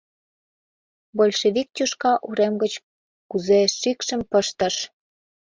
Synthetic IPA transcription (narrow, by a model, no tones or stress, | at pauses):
bolʲʃeβik̚t̪ʲuʃkɑʔuɾemɡət͡ɕ | kuzeʃikʃəmpəʃt̪ə̆ʃ